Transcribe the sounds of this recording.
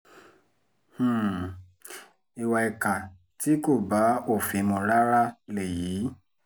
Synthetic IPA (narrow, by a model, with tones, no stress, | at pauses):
hũ˦˨ | i˧wa˧ɛ˧ka˨ | ti˨˦ko˦˨ba˨˦o˦˨fĩ˨˧mɔ̃˧ɾa˦ɾa˦le˨jiː˨˦